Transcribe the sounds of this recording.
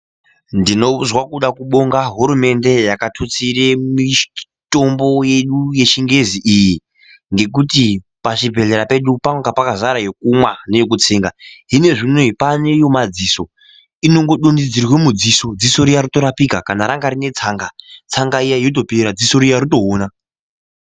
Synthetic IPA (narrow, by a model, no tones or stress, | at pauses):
ndino̞zwakuɗakuɓo̞ŋɡaɦuɾume̞nde̞jakatʰot͡siremi | to̞mbo̞je̞ɗuje̞ʃiŋɡe̞ziʔiji | ŋɡe̞k̬uti | paʃibʱe̞ɮeɾape̞ɗupaŋɡapakazaɾajek̚umwane̞jok̬ut͡siːŋɡaɦine̞ʐinweipane̞jo̞mad͡ziso̞ | ino̞ŋɡo̞ɗundid͡zirwe̞mud͡ziso̞d͡ziso̞ɾijaɾuto̞ɾapikakanaɾaŋɡaɾine̞t͡saːŋɡat͡saŋɡaijaijot̬o̞peɾad͡ziso̞ɾijaɾuto̞ɦoːna